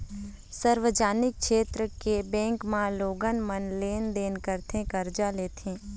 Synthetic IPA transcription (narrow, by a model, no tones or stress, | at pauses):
səɾʋəd͡ʒaːnɪk̚ʃeːt̪ɾəkebɛ̃ːŋkmãloːɡənmənleːnd̪eːnkəɾt̪ʰẽkəɾd͡ʒaleːt̪ʰẽː